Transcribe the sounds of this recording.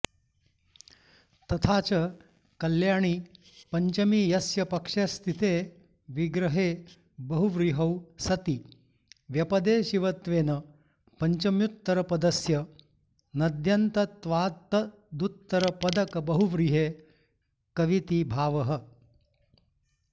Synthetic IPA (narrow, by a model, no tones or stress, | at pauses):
t̪ɐt̪ʰaːt͡ʃɐ | kɐljaːɳ̃i | pɐɲt͡ʃɐmiːjɐsjɐpɐkʂɐst̪ʰit̪eː | ʋiɡɾɐɦe | bɐɦuʋɾiɦɐwsɐt̪i | ʋjɐpɐd̪eːʃiʋɐt̪ʋeːnɐ | pɐɲt͡ʃɐmjut̪ːɐɾɐpɐd̪ɐsjɐ | nɐd̪jɐnt̪ɐt̪ʋaːt̪ɐ | d̪ut̪ːɐɾɐpɐd̪ɐkɐbɐɦuʋɾiɦeː | kɐʋit̪ibʱaːʋɐɦə